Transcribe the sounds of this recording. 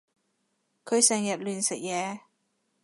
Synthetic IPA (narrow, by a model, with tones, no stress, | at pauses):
kʰɵ˨˧ɥsɛː˨˩ŋjɐ˨t̚lyː˨nsɪ˨k̚jɛː˨˧